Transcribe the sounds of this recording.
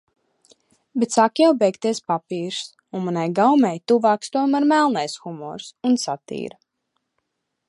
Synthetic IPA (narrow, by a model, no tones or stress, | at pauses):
bet̪sakjawbɛjkt̪iɛspapiːɾs | unmanajɡawmɛjt̪uvaːkst̪uɔjmaɾmælˠnajsxumɔ̰ːɾsunsat̪ḭːɾ